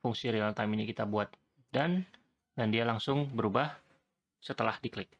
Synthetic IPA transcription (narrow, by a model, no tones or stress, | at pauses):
fuŋsiɾialt̪ajminikit̪abuat̪̚ | dan | dandialaŋsʊŋbəɾubah | sət̪əlahdiklɪk̚